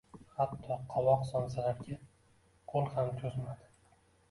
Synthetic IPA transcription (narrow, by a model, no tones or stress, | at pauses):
hat̪ʰːɒqʰɒwɒqsɒnsalaɾkʲa | qʰolˠhamt̪ʰozmad̪ɪ